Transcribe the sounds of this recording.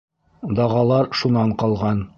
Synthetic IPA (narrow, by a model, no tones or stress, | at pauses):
d̪ɒʁɑlˠɑɾʃunɑɴqɒlˠʁɑn